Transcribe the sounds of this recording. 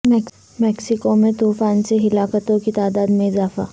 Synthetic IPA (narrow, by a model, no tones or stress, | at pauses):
mɛk | mɛːksɪkomẽt̪uːfaːnseɦɪlaːkət̪õkit̪aːd̪aːd̪mẽɪzaːfa̰